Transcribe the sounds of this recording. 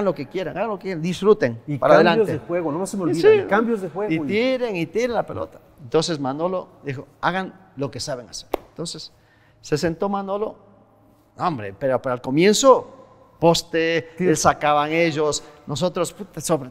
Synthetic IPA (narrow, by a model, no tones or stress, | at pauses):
aɣanlo̞kekje̞ɾaŋaɣanlokekjeand̪isfɾut̪eŋipaɾaðelanjozeexweɣonomasemeoβiðsikambjozðexweit̪iɾeŋit̪iɾenlapelʔo̰t̪ḁ | ent̪o̞ns̬esmanolod̪ixo̞aɣanlo̞kesaβeŋaseɾent̪onse̞sː | e̞se̞nt̪o̞manolo | ombɾḛpeɾopaɾalko̞mje̞nso | po̞st̪eelsakaβaŋeʝosnos̬ot̪ɾosput̪asoβɾe